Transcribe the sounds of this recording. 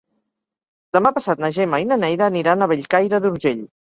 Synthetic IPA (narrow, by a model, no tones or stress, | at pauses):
d̪əmapəsat̪̚nəʒemainənɛjðəːniɾanəβeʎkajɾəðuɾʒeʎ